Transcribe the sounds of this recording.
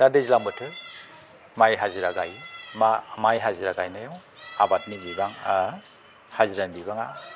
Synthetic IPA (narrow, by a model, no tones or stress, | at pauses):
dadezilambɯtʰɯ | majɦaziɾaɡajmamajɦaziɾaɡajnajɔŋ | abat̚nibibaŋ | haziɾanbibaŋa